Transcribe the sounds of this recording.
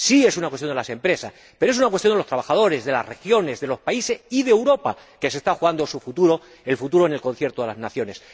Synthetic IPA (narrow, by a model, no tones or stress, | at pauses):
sie̞sunakwest̪jond̪lase̞mpɾe̞sas | peɾoes̬unak̬west̪joneost̪ɾaβaxað̞o̞ɾe̞zðe̞la̰rre̞xjo̞ne̞zðe̞lo̞spaise̞siðewɾo̞pa̰ | ke̞s̬e̞st̪axuɣand̪osufut̪uɾo̞ | e̞lfut̪uɾo̞ene̞lko̞n̟θje̞ɾt̪oe̞laznaθjo̞ne̞s